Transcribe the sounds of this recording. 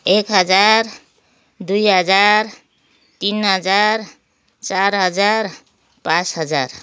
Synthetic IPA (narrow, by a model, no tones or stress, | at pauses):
ekɦʌd͡ʒaɾ | d̪ujɦʌd͡zaɾ | t̪inɦʌd͡zaɾ | t͡ʃaɾɦʌd͡ʒaɾ | pãsɦʌd͡ʒa̰ɾ